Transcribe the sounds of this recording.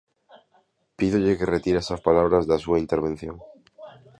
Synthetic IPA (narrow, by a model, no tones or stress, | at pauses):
piðoʎekeret̪iɾeesaspalaβɾazðasuaint̪eɾβ̞ẽn̟θjoŋ